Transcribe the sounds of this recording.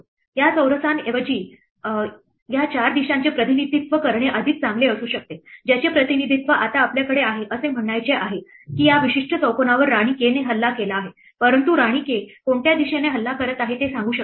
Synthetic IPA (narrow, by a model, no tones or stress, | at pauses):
jat͡səwɾəsaneʋəd͡ʑiː | jat͡ɕaɾd̪iɕãɲt͡ɕepɾət̪inid̪ʱit̪ʋəkəɾɳeʔəd̪ʱiːt̪̚t͡samɡleəsuːɕək̚t̪ed͡ʑat͡ɕepɾət̪inid̪ʱit̪ʋəʔat̪aːpljakəɽeaɦeʔəsem̤əɳːajt͡seʔaɦe | kiːjaʋiɕiʂʈʰət͡səwkonaʋəɾːaɽ̃iːkeneɦəlːakelaːɦe | pəɾənt̪uɾaɽ̃iːkekoɳʈjad̪iɕeneɦəlːakəɾət̪aɦet̪esãŋɡuːɕək̚